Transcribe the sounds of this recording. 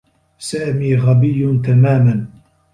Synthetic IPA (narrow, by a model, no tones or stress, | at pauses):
saːmiːɣɑbɪjːʊnt̪amaːman